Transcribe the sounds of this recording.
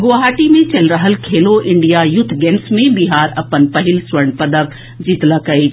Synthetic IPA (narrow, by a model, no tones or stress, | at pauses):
ɡoɦaːʈimẽt͡ɕɐlɾəɦəlkʰeːloʔɪ̃ɳɖijajʊt̪ʰːɡɛ̃ːnsmẽbiɦaːɾɐpənpɐɦɪlsʋəɽ̃pɐd̪əʋ | d͡ʑiːt̪ləkɐi